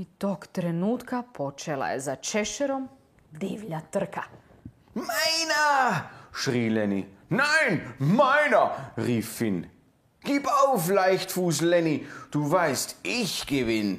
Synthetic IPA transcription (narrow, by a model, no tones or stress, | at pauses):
it̪oːkt̪ɾenuːt̪kapʰot͡ʃela̰jḛzat͡ʃɛʃɛɾom | d̪iːʋʎat̪r̩kʰa | maɪna | ʃʁiːlɛnḭ | naɪnmaɪnɐʁiːfːɪn | ɡ̥iːpaʊflaɪçtfuːslɛnid̥uːvaɪstɪçɡ̥evɪn